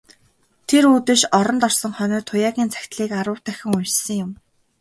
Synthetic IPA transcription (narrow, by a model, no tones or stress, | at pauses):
t̪ʰeɾuːt̪ɘ̆ʃɔɾɞ̆nt̪ɔrsɞ̆ŋχœnʲɪ̆rt̪ʰʊjaːɣʲiːnt͡sʰæ̥xʲt̪ɮiːkaɾʊ̆wt̪æxʲɪ̆ŋujt͡ɕsɘ̆ŋjʊm